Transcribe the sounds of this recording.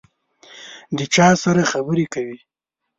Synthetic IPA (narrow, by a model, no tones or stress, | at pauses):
d̪ət͡ʃɑsaɾaxabəɾekawi